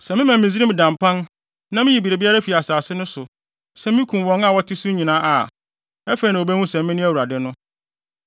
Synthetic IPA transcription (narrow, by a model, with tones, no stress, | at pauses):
sɛ˨mɪ̃˦mã˨mː˨ĩ˨zi˦ɾĩ˦m̩˨dã˨mpã˦n | nã˦mɪ̃˦ji˨bi˨ɾe˨bi˦a˦ɾa˦fi˨a˨saː˨sɪ˦nʊ̃˦sʊ˨ | sɛ˦mɪ̃˦kʰũ˨mwɔ̃˦ŋa˨wɔ˦tʰɪ˦su˦ɲĩ˨nã˦ʔa˨ | ɛ˦fe˨i˨nã˨o˨bɛ˦hũ˦sɛ̃˨m˦mɪ̃˦nʊ̃˦æ˦wu˨ɾa˨dɪ˦nʊ̃˦